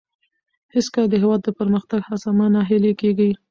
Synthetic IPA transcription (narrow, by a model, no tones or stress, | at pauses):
hɪskəld̪əɦɪwɑd̪ːəpəɾməxt̪aɡhazamanaɦɪlekeɡi